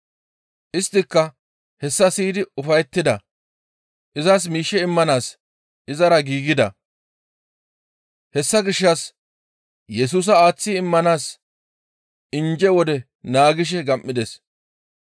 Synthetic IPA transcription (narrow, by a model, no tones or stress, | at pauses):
ʔɪst̪ːɪkːɐ | hɛsːɐsiːd̪ɪʊfɐjɛt̪ːɪd̪ɐ | ʔɪzɐs̬miːʃːɛɪmːɐnaːs | ʔɪzɐɾɐɡiːɡɪd̪ɐ̰ | hɛsːɐɡɪʃːɐs | jɛs̬uːs̬ɐaːt͡sːɪɪmːɐnaːs | ɪnd͡ʒɛwɔd̪ɛ | naːɡɪʃ̬ɛɡɐmʔːɪd̪ɛs